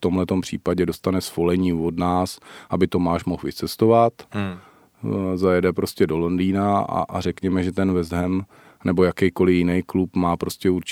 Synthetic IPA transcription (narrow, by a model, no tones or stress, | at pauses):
t̪o̞mlɛt̪o̞mpr̝̥ḭːpaɟɛdo̞st̪anɛsfo̞lɛɲiːvo̞dnaːsʔabɪt̪o̞maːʃmoxvɪt͡sɛst̪o̞vat̪ | zajɛdɛpɾo̞scɛdo̞londiːnaa̰ʔa̰rɛkɲɛmɛʒɛt̪ɛnvɛzɦɛm | nɛbo̞jakɛjko̞lɪjɪnɛjklupmaːpɾo̞scɛuɾt͡ʃ